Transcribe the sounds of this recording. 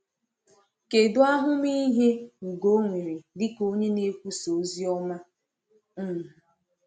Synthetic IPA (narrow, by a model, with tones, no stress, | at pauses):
ke˨dʊ˦a˦ɦʊ˦mi˦ɦe˦ŋ̩˨ɡo˦ŋʷe˨ɾi˨dɪ˦ko˦ɲe˦ne˦kʷu˦so˨˦zi˦ɔ˦ma˦ | n̩˦˨